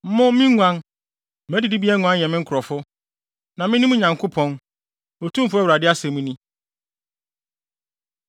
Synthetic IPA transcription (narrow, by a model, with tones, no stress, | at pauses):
mʊ̃˦mɪ̃˦ŋʷã˦n˨ | mæ˦di˨di˦bi˦ɛ˦ŋũ˨˦ã˦n˨jɛ̃˨mɪ̃˦ŋ̩˦kʰʊ˨ɾɔ˨fʊ˦ | nã˨mɪ̃˦nĩ˦mũ˦ɲã˨ŋkʰʊ˦pʰɔ̃˦n | o˨tʰũ˦m˦fʊ˦æ˦wɾa˨dɪ˦a˦sɛ̃˨mũ˦nĩ˦